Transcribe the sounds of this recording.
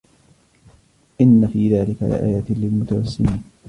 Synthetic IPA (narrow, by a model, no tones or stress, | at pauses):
ʔɪnːafiːðaːlɪka̰lɪ̰ʔa̰ːjaːt̪ɪlɪlmʊt̪awasːɪniːn